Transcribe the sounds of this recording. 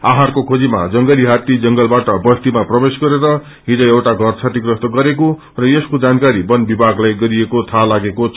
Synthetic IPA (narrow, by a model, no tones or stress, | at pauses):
aɦãrkokʰod͡zima̰d͡zʌŋɡʌliɦat̪id͡zʌŋɡʌlbaʈʌbʌst̪imaprʌbesɡʌɾeɾʌ | ɦid͡zʌ̃ewʈaɡʱʌrt͡sʰat̪ikrʌst̪ʌɡʌɾeko | rʌjeskod͡zankaɾibʌnbibʱaɡlajɡʌɾiekot̪ʰalaɡekot͡sʰ